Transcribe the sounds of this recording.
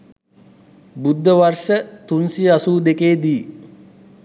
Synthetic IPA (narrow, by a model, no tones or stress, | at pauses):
bud̪ʱːəʋarʂət̪unsiasuːd̪ekeːd̪iː